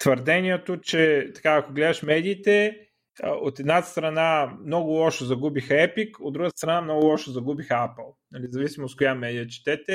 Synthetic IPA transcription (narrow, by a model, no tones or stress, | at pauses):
t̪vəɾd̪ɛniɛt̪ot͡ʃɛt̪ɐ̥kaɐkoɡlɛd̪ɐʃmɛd̪iːt̪ɛ | əot̪ɛd̪nast̪ɾɐnamnɔɡʊlˠɔʃozɐɡubixɛpikod̪ɾuɡət̪st̪ɾɐnamnɔɡʊlˠɔʃozɐɡubixapəlˠnɐlizɐvisimokojamɛd̪ijət͡ʃi̥t̪ɛt̪ɛ